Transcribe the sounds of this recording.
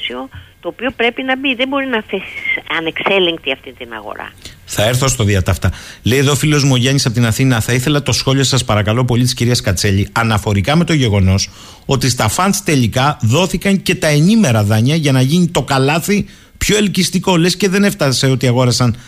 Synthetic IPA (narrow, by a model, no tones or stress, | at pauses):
siot̪o̞ːpio̞pɾe̞pinɐbiðembo̞ɾinɐfesisɐnekse̞leŋk̚t̪iɐft̪int̪inɐ̰ɣo̞̰ɾɐ̰θɐe̞ɾθo̞st̪o̞ðiɐt̪ɐft̪ɐle̞jðofileo̞zmo̞ʝɐɲisɐpot̪inɐθinɐθɐiθe̞lɐt̪o̞sxo̞lio̞sɐspɐɾɐkɐlo̞p̬o̞ʎit̪i̥sciɾiɐskɐt͡seʎiɐnɐfo̞ɾikɐme̞t̪o̞ʝe̞ɣo̞no̞s | o̞t̪ist̪ɐfɐnst̪e̞ʎikɐðo̞θikɐɲce̞t̪ɐe̞nime̞ɾɐðɐɲɐʝɐnɐʝinit̪o̞kɐlɐθi | pço̞e̞lcist̪iko̞lesce̞ðe̞ne̞ft̪ɐse̞o̞t̪iɐɣo̞ɾɐsɐn